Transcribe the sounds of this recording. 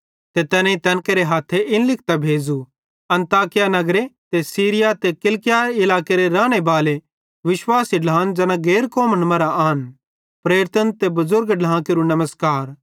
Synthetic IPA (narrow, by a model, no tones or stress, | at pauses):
t̪et̪ɛːnẽit̪ɛ̃ːnkeɾeɦaːt̪ʰːeʔɪnlɪk̚ʰt̪abʱeːd͡zu | ɐ̃nt̪aːkɪjanɐɡɾet̪esiːɾɪjat̪ekɪlkɪjaɪlaːkeɾeɾaːɽ̃ebaːle | ʋɪʃwaːsiɖãːnd͡ʒɐnãɡeːɾkɔːmənmɐɾaaːn | pɾeːɾɪt̪ənt̪ebɐzʊɾɡɖãːkeɾunɐməskaːɾ